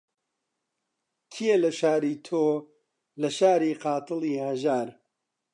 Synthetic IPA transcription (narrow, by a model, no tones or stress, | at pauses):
t̪ʰijelɐʃaːɾiːt̪ʰoː | lɐʃaːɾiːqɑːt̪ɨliːhɐʒaːɾ